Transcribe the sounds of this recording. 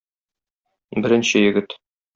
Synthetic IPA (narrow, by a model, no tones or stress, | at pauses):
bɘ̆ɾɘ̆nɕɘjɘ̆ɡɘt̪